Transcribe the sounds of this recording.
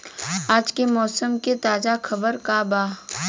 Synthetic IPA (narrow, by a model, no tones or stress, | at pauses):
aːd͡ʒkemɔːsəmket̪aːzaxʰɐbəɾkabaː